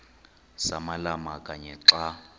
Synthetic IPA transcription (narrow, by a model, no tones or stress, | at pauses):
sa̰malamakʼaɲɛǁa